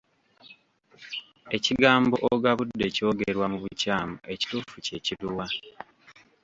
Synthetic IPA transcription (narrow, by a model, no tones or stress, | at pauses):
e̞ciɡaːmbo̞ʔoɡaβudːe̞co̞ːɡeɾwamuβucaːmue̞ci̥tuːfuce̞ciduwa